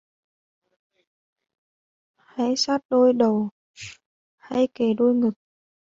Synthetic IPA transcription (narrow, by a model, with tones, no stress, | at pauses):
ha˧˥jsaː˦˥t̚ɗo˧jɗə˨˩w | ha̰˧jke˨˩ɗo˧jŋɨ˨˩k̚